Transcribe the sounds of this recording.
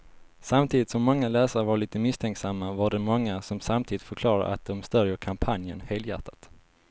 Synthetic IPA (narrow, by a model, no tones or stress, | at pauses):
samt̪ʰiːd̪ɪt̪sɔmːɔŋːalɛːsaɾəvaɭiːt̪əmɪst̪ʰɛŋksamːavaɖɛmɔŋːasɔmsamt̪ʰiːd̪ɪt̪fœɾkʰlɑːɾa̰ʔa̰t̪̚d̪ɔmst̪œɾjəɾkʰampʰanjə̰nheːljæ̰ʈ̪ʰḁt̪